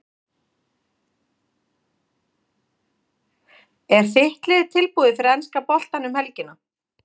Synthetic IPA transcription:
ɛɾ̥θɪht̪lɪðɪt̪ʰɪlpuːðɪfɪɾɛnskapɔl̥t̪anʏmhɛlcɪna

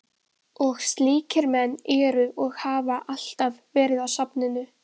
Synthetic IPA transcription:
ɔɣst̪liːcɪɾmɛnːɛɾʏʔɔɣhaːvaʔal̥t̪avvɛːɾɪðawsapnɪnʏ

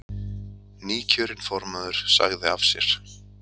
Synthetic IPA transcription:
niːcʰœːɾɪnfɔɾmaðʏɾ̥sa̰ɣðɪavsjɛ̰ɾ̥

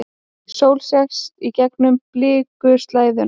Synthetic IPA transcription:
soːwlsjɛxsicɛknʏmplɪːkʏst̪laːjðʏn

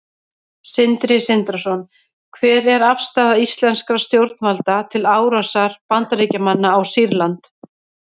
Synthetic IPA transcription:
sɪnt̪ɾɪsɪnt̪ɾasɔn | kʰvɛːɾɛɾafst̪aːðaist̪lɛnskɾast̪jowɾt̪nvalt̪at̪ʰɪlaːwɾasaɾ̥pant̪aɾiːcamanːaːwsiɾlant̪

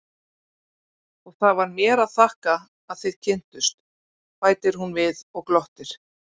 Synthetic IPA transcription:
ɔɣθaðvaɾmjɛːɾaðθahkaː | ðθejðcʰɪn̥t̪ʏst̪ | faːjt̪ɪɾ̥ɦunvɪðɔɣklɔht̪ɪɾ̥

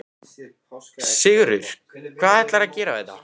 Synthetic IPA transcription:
sɪɣɾʏɾ̥ | kʰvaːðɛht̪laɾaðcɛːɾavɛða̰

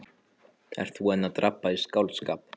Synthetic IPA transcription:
ɛ̰ɾ̥t̪θvuɛnːat̪ɾʔapːaiskawlt̪skaːp

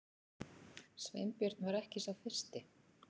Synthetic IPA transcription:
svḛjmpjœɾ̥t̪nvaɾɛhcɪsawfɪr̥st̪ɪ

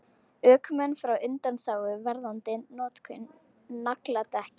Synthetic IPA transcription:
œːkmɛnːfɾawʏnt̪anθaːwɣʏvɛɾðant̪ɪnɔːt̪kʰʏnː | aklat̪ɛhcɪ

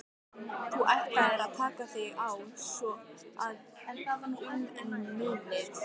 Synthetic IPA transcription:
θuʔɛht̪aðɛɾaðt̪ʰaːkaθɪɣawsɔaðhɛnt̪avanaɔnɛnmɪːlɪɣ

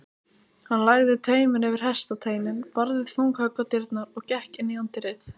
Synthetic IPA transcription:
hanlaɣðɪt̪ʰœːɥmɪnɛːvɪɾ̥ɦɛst̪at̪ʰeːjnɪnpaɾðɪðθowŋkhœkat̪ɪɾt̪naɾɔɣcɛhcɪnːiant̪ɪɾɪθ

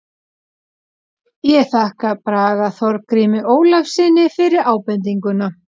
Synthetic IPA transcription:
jɛθahkapɾaːɣaθɔɾkɾiːmɪʔoːwlafsɪnɪfɪɾɪɾaːwpɛnt̪iŋkʏna

